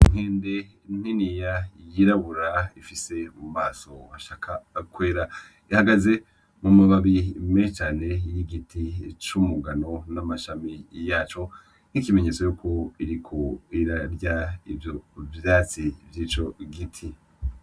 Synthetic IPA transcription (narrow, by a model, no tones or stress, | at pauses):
iŋ̥heːnde̞ | n̥hinijajiɾaβuɾaifise̞umaːso̞aʃaːkʰakweːɾa | ihaɡaze̞ | mumaβaβimet͡ʃaːne̞jiɡitʰit͡ʃumuɡano̞namaʃamijaːt͡ʃo̞ | nikimeɲe̞t͡sojuːkʰoiɾikʰoiɾaɾɟaivjo̞vjaːt͡sivjiːt͡ʃo̞ɡitʰi